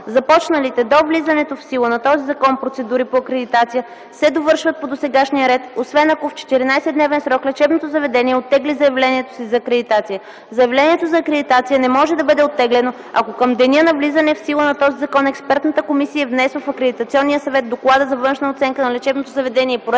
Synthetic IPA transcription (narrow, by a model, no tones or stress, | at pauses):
zɐpɔt͡ʃnəlit̪ɛd̪ovlizɐnɛt̪ofsilˠənɐt̪ɔzizɐkɔnpɾot̪sɛd̪uɾipoɐkɾɛd̪it̪at̪sijə | sɛd̪ovɤɾʃvət̪̚pod̪osɛɡaʃnijəɾɛt̪osvɛnɐkoft͡ʃɛ̥t̪iɾinajsɛd̪nɛvɛnsɾɔklɛt͡ʃɛbnot̪ozɐvɛd̪ɛniɛot̪ːɛɡlizɐjɐvlɛniɛt̪o̥sizɐːkɾɛd̪it̪at̪sijə | zɐjɛvlɛniɛt̪ozɐːkɾɛd̪it̪at̪sijənɛmɔʒɛd̪ɐbɤd̪ɛot̪ːɛɡlɛno | ɐkokəmd̪ɛnʲənɐvlizɐnɛfsilˠənɐt̪ɔzizɐkɔnɛkspɛɾt̪nət̪əkomisijəvnɛsvəfɐkɾɛd̪it̪ɐt̪siɔnːijəsɐvɛt̪̚d̪oklˠad̪əzɐvɤnʃnəot̪sɛŋkənɐlɛt͡ʃɛbnot̪ozɐvɛd̪ɛniɛpɾoɛ